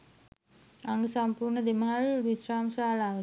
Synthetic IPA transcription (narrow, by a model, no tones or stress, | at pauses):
aŋɡəsampuːɾɳəd̪eməɦalʋisraːmsaːlaːʋ